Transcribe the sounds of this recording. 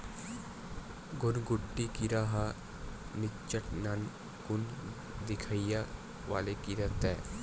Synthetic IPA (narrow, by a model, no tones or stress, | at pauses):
ɡʊnɡʊʈːikiɾaːɦa | nɪt͡ʃːəʈnan | kʊn | d̪ɪkʰaija | ʋa̰ːlekiɾɐt̪ɛː